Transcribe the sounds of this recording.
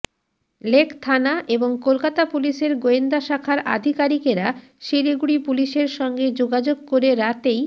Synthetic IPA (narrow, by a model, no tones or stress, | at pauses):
lekʰt̪ʰanaʔeboŋkolkat̪apuliʃeɾɡoend̪aʃakʰaɾa̰d̪ʱikaɾikeɾa | ʃiɾiɡuɽipuliʃeɾʃɔŋɡed͡ʑoɡad͡ʑoɡ̚koɾeɾat̪ej